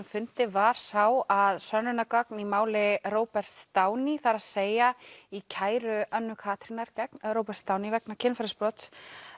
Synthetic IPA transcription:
mfʏn̥t̪ɪvaɾ̥sawaðsœnːʏnakœknimaːwlɪroːwpɛr̥t̪st̪aːwniθaɾaðseːjaicʰaːjɾʏœnːʏkʰaːt̪ɾinaɾcɛknɾoːwpɛɾ̥t̪st̪aːwnivɛknacʰɪnfaɾɪsplɔt̪s

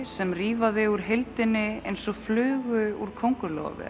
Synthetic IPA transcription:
sɛmriːvaðɪuɾ̥ɦɪlt̪ɪnːɪejnsɔɣflʏːɣʏuɾ̥kʰowŋkʏlɔ̰ːvɪ̰

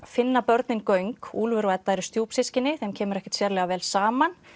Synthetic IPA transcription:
fɪnːapœɾt̪nɪnkœɥŋkuːlvʏɾvat̪ːajɾʏst̪joːpsɪscɪnːɪθɛmcʰɛːmʏɾɛhcɪ̥t̪sjɛɾlɛɣavɛːlsaːman

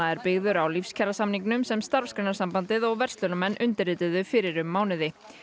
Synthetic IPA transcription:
aɛɾpɪɣðʏɾawlifscʰɛɾasamniŋknʏmsɛmst̪aɾ̥fskɾɛnaɾsampant̪ɪðɔɣvɛr̥st̪lœlʏmɛnːʔʏnt̪ɪɾɪːt̪ɪðʏfɪɾɪɾʏmːaːwnɪðɪ

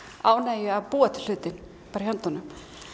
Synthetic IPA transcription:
aːwnaːjʏavpuat̪l̥ʏːt̪ɪn | paːɾɪçœnt̪ɔnʏm

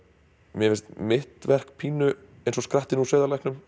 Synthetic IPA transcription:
mjɛfɪst̪mɪht̪vɛr̥k̚pʰiːnʏ | ejnsɔskɾaht̪ɪnusœːðalajknʏm

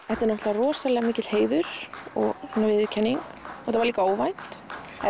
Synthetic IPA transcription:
ɛht̪ɪɾnɔht̪laarɔːsalɛːɣamiːcɪt̪lheːjðʏɾ̥ɔ̰ɣhɛnːavɪðʏcʰɛnːiŋkɛt̪avɾliːkaoːwvajn̥t̪ | ɛ

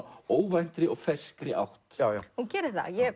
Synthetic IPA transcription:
oːwvajn̥t̪ɾɪɔɣfɛskɾɪʔa̰wht̪ːhuncɛːɾɪθa̰jɛ

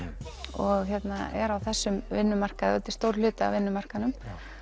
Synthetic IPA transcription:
ɔɣçɛt̪naɛ̰ɾawθɛsːʏmvɪnːʏmar̥kaðœlt̪ɪ̥st̪owɾlʏːt̪aa̰vɪnːʏmar̥kanʏm

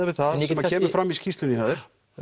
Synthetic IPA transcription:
ɪvɪðθaðsɛmaɛːmɪfɾamiscist̪lʏnihœðʏ̥

